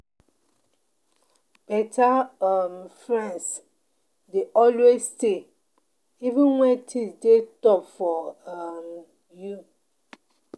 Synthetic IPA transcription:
b̥ɛtʰaamfɹɛ̃ns | deʔɔlwesːte | ivə̃nwɛ̃ntʰidetɔpfɔam | ju

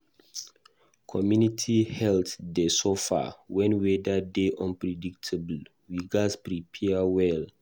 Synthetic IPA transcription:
kʰɔmjunitʰihɛltdəsɔfa̰wɛ̃nwedadeʔɔ̃npɹɛdik̚tʰəbl̩ | wiɡaspɹipʰɛawɛl

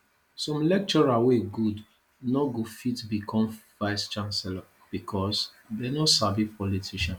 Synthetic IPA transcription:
sɔ̃mlɛk̚t͡ʃɔɹaweɡud | nɔɡofitbikʰɔ̃mv̥aɪst͡ʃãnsɛla | b̥ikʰɔs | dɛnosabipɔlitʰiʃɔ̃n

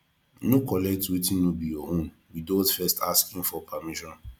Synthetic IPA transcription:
nokɔlɛk̚twetĩnːobijɔõn | widotfɛstʰaskĩmfɔpʰamiʃɔ̃n

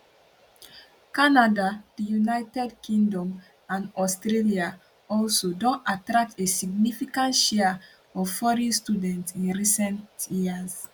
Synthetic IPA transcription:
kanadad̥ijunaɪtɛdkʰĩŋdɔ̃m | ãnɔstɾelia | ɔlsodɔ̃ntatɾak̚tesiɡ̚nifikãntʃɛa | ɔvfɔɹɛ̃nstudɛ̃ntĩnɹisɛ̃ntjiaz

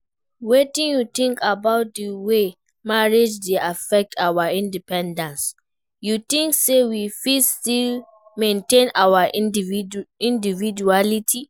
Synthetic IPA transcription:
wetĩnjutĩŋkʰabaʊt̚dəwe | maɹed͡ʒdeafɛk̚tʰawaĩndipɛ̃ndãns | jut̪ĩŋksewifilstil | mẽntẽnawa | ĩndivid͡ʒualitʰi

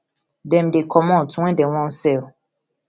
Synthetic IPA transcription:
dɛ̃mdekʰɔmɔ̃tuwɛ̃ndɛw̃ɔ̃n̩sɛl

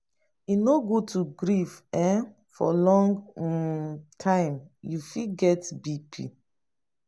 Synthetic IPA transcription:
inoɡotʰuɡɹifɛ̃ | fɔ̰lɔ̃ŋɡ | tʰãɪ̃mjufiɡɛtbipʰḭ

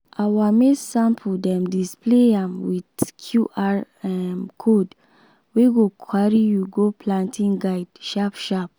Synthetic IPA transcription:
awamesãmpʰudɛ̃mdispleãmwitkʰjuʔa | ɛmkʰod | weɡokʰaɹijuɡopʰlãntʰĩŋɡaɪdʃapʃap̚

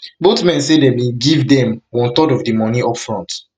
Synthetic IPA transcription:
botmɛ̃nsedemeɡivdɛ̃mwɔ̃ntɔdɔvdimɔniɔpfɹɔ̃nt

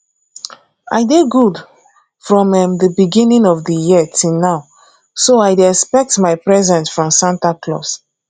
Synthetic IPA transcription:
a̰ɪdeɡud | fɹɔ̃mɛ̃mðəbiɡĩnĩŋɔfdəjitʰinaʊ | soajdɛspɛk̚tmaɪpɹɛzɛ̃nsfɹɔ̃msãntaklɔ̰s

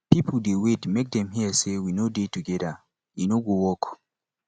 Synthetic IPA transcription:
pipʰldewedmek̚dɛ̃mɦiəsewinodetuɡɛdə | inoɡowɔk

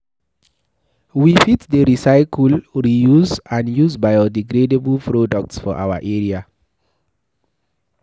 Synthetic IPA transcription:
wifitdəɹisaɪkʰulɹijuzãnjuzbajodiɡɾedebulpɹodɔk̚tsfɔ̰ʔa̰waʔɛɹia

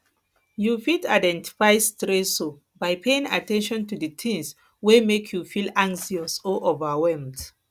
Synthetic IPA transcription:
jufida̰jdɛ̃nti̥fajstɹɛso | bajpʰeĩŋa̰tɛ̃nʃɔ̃ntudətʰĩŋs | wemekʰjufilãŋksiɔsɔʔovəwɛlmd

